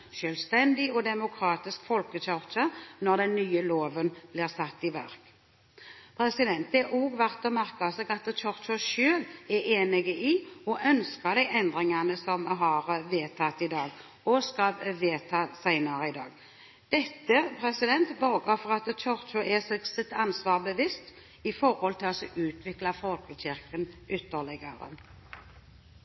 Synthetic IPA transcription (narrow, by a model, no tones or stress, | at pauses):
ʃølst̪ɛnd̪ɪɔd̪ɛmʊkʰɾɑːt̪ɪskfɔlkət͡ʃœʁt͡ʃɑnɔʁd̪ɛnːyːəloːʋənb̥liːʁsɑt̪ːɪʋæɾk | pʰɾɛsɪd̪ɛnt̪ɛʔɔɡʋæɾt̪ɔmæɾkɑsɛːɡɑt̪t͡ʃʰɔɾt͡ʃɔʃøːlɛeːnɪɡəʔɪɔʔœnskɑd̪æɪʔɛnd̪ɾɪŋɑnəsɔmɦɑɾʋeːt̪ʰɑt̪ːɪd̪ɑːɡ | ɔskɑlʋeːt̪ʰɑːsæɪnɑɾəɪd̪ɑːɡ | d̪̥ɛt̪ːəpʰɾɛsɪd̪ɛnt̪bɑɾɡəfɔʁɑt̪t͡ʃɔɾt͡ʃɔʔɛsɛɡsɪt̪ɑnsʋɑːʁbəʋɪst̪ | ɪfɔɾhɔlt̪ʰɪlɔsɔʔʉːt̪ʰʋɪklɑfɔlkəɕɪɾkənʏt̪ːəʁlɪɡəɾə̰